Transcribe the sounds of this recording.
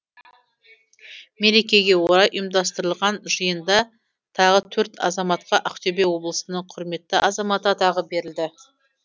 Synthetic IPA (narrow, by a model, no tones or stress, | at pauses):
me̞ɾe̞kʲe̞ɡʲe̞woɾɑjʔəjmd̪ɑs̬t̪əɾəlˠʁɑnʒəjənd̪ɑ | t̪ʰɑʁət̪ʰɵɾt̪ʰɑ̰zɑmɑt̪̚qɑʔɑqt̪ʰøbe̞wo̞blˠəsənəɴqʰʊɾme̞t̪ːɪʔɑzɑmɑt̪əɑt̪ɑʁəbe̞ɾɪld̪ɪ